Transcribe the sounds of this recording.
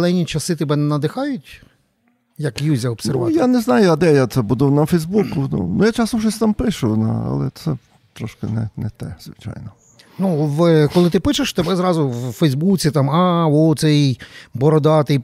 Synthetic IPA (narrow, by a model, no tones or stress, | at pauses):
lˠɛnʲit͡ʃɐsɪt̪ɛbɛnɛnɐd̪ɪxɑjʊtʲ | jɐkjuzʲɐɔbsnɛrʋjanɛznɑjʊɐd̪ɛjat̪sɛbud̪ɪwnɐfɛjzbukʊnṵnʊjat͡ʃasɔʒɛsʲt̪ɑmpɪʃʊnɐ̰ɐ̰lˠɛt̪sɛ | t̪ɾɔʃkɪnɛnɛ̰t̪ɛ̰zʋɪ̰t͡ʃa̰jnɔ | nuʋkɔlˠɪt̪ɪpɪt͡ʃeʃt̪ɛbɛzɾɑzʊwfɛjzbut͡sʲit̪ɑmɑwɔt̪sɛjbɔɾɔd̪ɑt̪ɛj